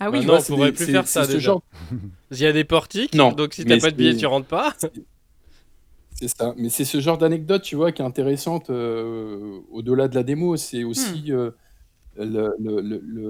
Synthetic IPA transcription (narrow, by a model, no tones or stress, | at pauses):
awinɔ̃ɔ̃puʁɛplyfɛʁsad̪eʒɑ̃ʁ | iad̪epɔʁt̪iknɔ̃d̪ɔ̃ksit̪yapad̪əbijɛt̪yʁɑ̃t̪paɛ | sɛsamɛsɛsəʒɑ̃ʁd̪anɛɡ̚d̪ɔt̪̚ːt̪yvwakʲiɛɛ̃t̪eʁesɑ̃t̪ø | od̪əlad̪əlad̪emosɛosiø | lələlələ